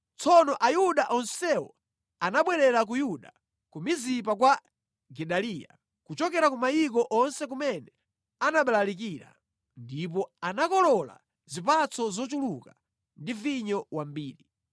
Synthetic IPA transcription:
t͡sʰɔnɔʔajuɗaʔɔnsɛwɔ̰ | anaɓwɛɾɛɾak̬ujuɗa̰ | kumizip̬ak̬wa | ɡɛɗaliːja̰ | kut͡ʃɔkɛɾakumajik̬ɔʔɔnsɛk̬umɛnɛ | anaɓalalik̬iɾa̰ | ndip̬ɔanakɔlɔla̰ | zipat͡sʰɔzɔt͡ʃuluka | ndiviɲɔwambiːɾi

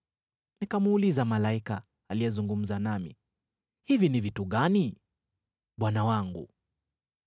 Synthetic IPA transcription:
nikamuːlizamalaikaː | lijɛzuŋɡum̩zanamḭ | hivinivituɠani | ɓwanawaŋɡṵ

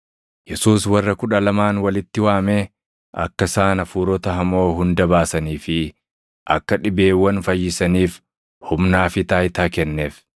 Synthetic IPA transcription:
jɛsuːswɐrːɐkʊᶑɐlɐmaːnwɐlɪt̪ːɪwaːmeː | ʔɐ̰kːɐsaːnɐfuːɾɔt̪ɐɦɐmo̞ːɦʊnd̪ɐbaːsɐniːfɪ | ʔɐkːɐᶑɪbe̞ːwːɐnfɐjːɪsɐniːf | hʊmnaːfɪt̪aːjt̪aːkɛnːeːf

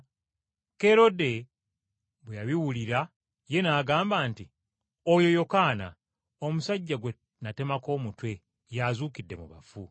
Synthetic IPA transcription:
ke̞ɾo̞de̞ | βwejaβiwuliɾa | je̞naːɡaːmbaːnti | ojo̞jo̞kaːna̰ | o̞musaɟːaɡwe | nate̞mako̞ːmutwe̞ | jazuːkidːe̞̰muβa̰fu

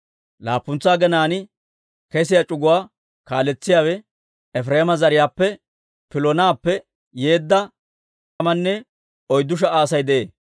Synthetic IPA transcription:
la̰ːpːʊnt͡sːaːɡɛnaːnɪ | kɛs̬ɪjat͡ʃʼʊɡʊwaː | kaːlɛt͡sːɪjaːwɛ | ɛfɾeːmɐzɐɾɪjaːpːɛ | pɪlɔnaːpːɛ | je̞ːd̪ːɐ | tɐmɐnːɛ | ɔjd̪ːʊʃ̬ɐaːsɐjd̪ɛʔeː

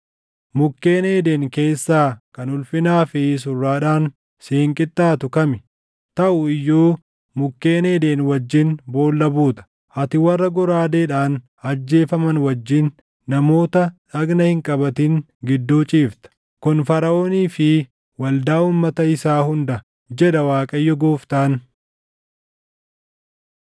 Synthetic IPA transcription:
mʊkːeːneːd̪eːŋke̞ːsːaːkɐnʊlfɪnaːfɪs̬ʊrːaːᶑaːn | seːŋkʼɪt̪ʼːaːt̪ʊkɐmɪ | t̪ɐʔʊɪjːoː | mʊkːe̞ːneːd̪eːnwɐd͡ʒːɪnbo̞ːlːɐbuːt̪ɐ̥ | ʔɐt̪ɪwɐrːɐɡɔɾaːd̪eːᶑaːn | ɐd͡ʒːe̞ːfɐmɐnwɐd͡ʒːɪnː | ɐmo̞ːt̪ɐᶑɐɡnɐhɪŋkʼɐbɐt̪ɪŋ | ɡɪd̪ːuːt͡ʃʼiːft̪ɐ̥ | kʊnfɐɾɐoːniːfɪ | wɐld̪aːuːmːɐt̪ɐɪsaːhʊnd̪ɐ | d͡ʒɛᶑɐwaːkʼɐjːɔɡoːft̪aːn

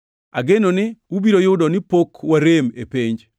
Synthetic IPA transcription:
aɡenonɪwubiɾojʊdɔnɪpokwaɾemepiɲd͡ʒ

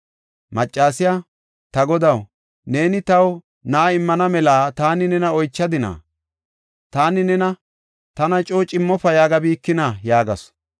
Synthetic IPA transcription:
mɐt͡ʃʼːaːsɪja | t̪ɐɡɔd̪ɐw | ne̞ːnɪt̪ɐw | naːɪmːɐnɐmɛlaːt̪aːnɪnɛnɐɔjt͡ʃːɐd̪ɪna̰ː | t̪aːnɪnɛnɐ | t̪ɐnɐt͡ʃʼoːt͡ʃʼɪmːɔfɐjaːɡɐbiːkːɪnajaːɡɐ̰s

